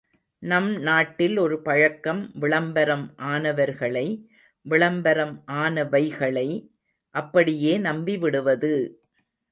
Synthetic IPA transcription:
nɐmnaːʈːɪlɔɾɯpɐɻɐkːɐmʋɪɭɐmbɐɾɐmʔaːnɐʋɐɾɣɐɭɐɪ | ʋɪɭɐmbɐɾɐmʔaːnɐʋɐɪɣɐɭɐɪ | ʔɐpːɐɽɪjeːnɐmbiʋɪɽɯʋɐðɯ

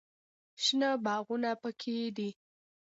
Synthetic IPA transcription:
ʃnəbɑɣunapəkʰed̪i

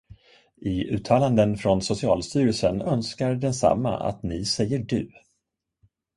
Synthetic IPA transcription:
ɪʉ̟ːt̪ʰɑːland̪ənfɾɔnsʊsɪɑːlst̪yːɾəlsənœnskaɾɖɛnsa̰mːa̰a̰t̪nɪsɛjːəɖɵ̟̰ː

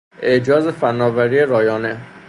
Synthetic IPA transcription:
ʔe̞ʔd͡ʒɒːzefænːɒːvæɾiːeɾɒːjɒːne

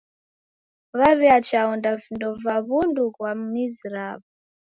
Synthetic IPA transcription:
βaβiat͡ʃaɔndavindɔvaβundukwam̩niziɾaːβu

